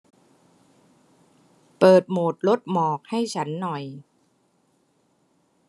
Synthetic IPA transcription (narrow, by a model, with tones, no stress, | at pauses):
pɤː˨˩t̪̚moː˨˩t̪̚lo˦˥t̪̚mɔː˨˩k̚ha˥˩jt͡ɕʰa˦˥nːɔ˨˩j